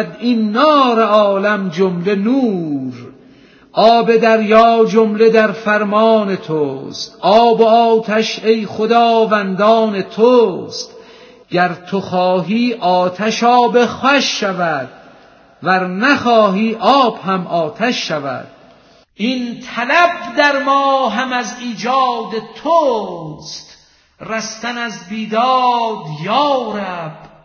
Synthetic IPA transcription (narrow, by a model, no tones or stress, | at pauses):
d̪inːɒːɾeɒːlæmd͡ʒomle̞nuːɾ | ɒːbe̞d̪æɾjɒːd͡ʒomle̞d̪æɾfæɾmɒːnet̪ʰoːst̪ʔɒːboɒːt̪ʰæʃejχod̪ɒːvænd̪ɒːnet̪ʰoːst̪ | ɟæɾt̪ʰoxɒːɦiːʔɒːt̪ʰæʃɒːbexæʃːævæd̪̥̚ | væɾnæxɒːɦiːʔɒːbhæmʔɒːt̪ʰæʃːævæ̰d̪̥̚ | int̪ʰælæbd̪æɾmɒːɦæmæziːd͡ʒɒːd̪et̪ʰost̪ | ræst̪ænæzbiːd̪ɑːd̪jɒːɾæb̥